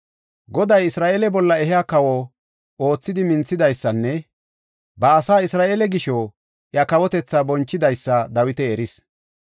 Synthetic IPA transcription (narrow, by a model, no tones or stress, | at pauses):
ɡɔd̪ɐjɪsɾaːʔeːlɛbɔlːɐɛɦɪjaːkɐwɔ | o̞ːt͡sːɪd̪ɪmɪnt͡sːɪd̪ɐjsːɐnːɛ | bɐːsaːɪsɾaːʔeːlɛɡɪʃɔ | ʔjɐkɐwɔt̪ɛt͡sːabɔnt͡ʃːɪd̪ɐjsːɐd̪ɐwɪt̪ɛːɾɪs